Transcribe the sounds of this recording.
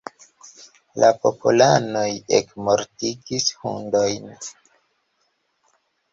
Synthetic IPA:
lapo̞pʰulano̞jḛkmoɾtiɡishṵndo̞jn

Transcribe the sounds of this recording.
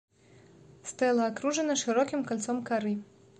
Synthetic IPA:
st̪ɛlˠɐːkɾuʐɐnɐʂɨɾɔkʲimkalʲt̪sɔmkaɾɨ

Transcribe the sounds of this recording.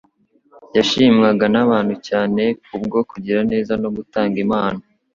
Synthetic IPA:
jaʃimɡaɡanaβaːn̥hucaːne̞kubɡo̞kuɟiɾane̞ːzano̞ɡutaːŋɡimaːna

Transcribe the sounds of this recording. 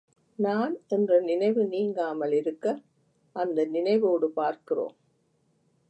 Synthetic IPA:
naːnɛndrɐnɪnɐɪʋɯniːŋɡaːmɐlɪɾɯkːɐ | ʔɐnd̪ɐnɪnɐɪʋoːɽɯpaːɾkɪro̰ːm

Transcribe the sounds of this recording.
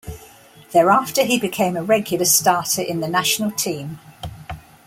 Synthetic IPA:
ðəːɹɑˑftəibɪkʰẽɪ̃məɹɛɡjəlˠəstɑˑtʰəɹʔɪ̃nðənaʃənəlˠtʰĩːm

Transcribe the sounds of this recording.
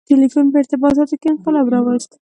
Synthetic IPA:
tɪlifunpəɪɾt̪ɪbɑt̪̬ɑt̪okemqalɑbɾɑwəlst̪

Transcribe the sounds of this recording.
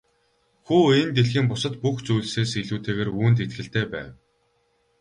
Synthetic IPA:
xuːent̪eɮxiːmpʊsə̆t̪puxt͡sujɮseːsiɮuːt̪ʰeːɣeːruːnt̪̬et̪xɘ̆ɬt̪eːpæ̰ːw

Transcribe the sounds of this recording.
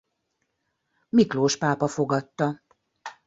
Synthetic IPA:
mikloːʃpaːpɒfo̞ɡɒt̪ːɒ

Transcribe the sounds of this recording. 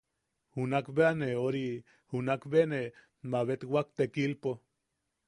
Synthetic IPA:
hunakbeaneoɾi | hunakbene | maβet̪wak̚t̪ekilpo

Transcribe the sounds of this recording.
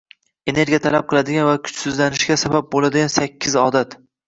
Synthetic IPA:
e̞ne̞ɾɡʲijat̪ʰalap̚qʰɨlˠad̪ɪɡʲanvakʲʰʊ̥t͡ʃsɪzlanɪʃɡʲasabap̚bolad̪ɪɡʲansakʲʰːɪzɒd̪at̪

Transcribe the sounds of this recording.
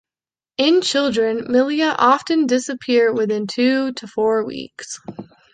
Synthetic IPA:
ɪ̃nt͡ʃʰɪlˠdɹɨ̃nmɪlˠiɨʔɑftɨ̃ndɪsɨpʰɪɹd̚wɪθɪ̃ntʰʉɾʰəfɔɹwḭks

